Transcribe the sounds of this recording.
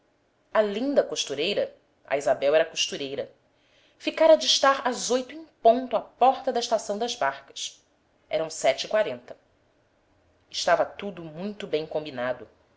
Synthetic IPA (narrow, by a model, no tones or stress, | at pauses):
ɐlĩnd̪ɐkoʃt̪uɾejɾɐ | ɐ̰izabɛwɛɾɐkoʃt̪uɾejɾɐ | fikaɾɐd͡ʒɪʃt̪aɾɐzojt̪ʊẽj̃põnt̪ʊapɔɾt̪ɐd̪ɐɪʃt̪asɐ̃w̃d̪ɐzbaɾkɐ̥s | ɛɾɐ̃w̃sɛt͡ʃikwaɾẽnt̪ɐ | ɪʃt̪avɐt̪ud̪ʊmũj̃t̪ʊbẽj̃kõmbinad̪ʊ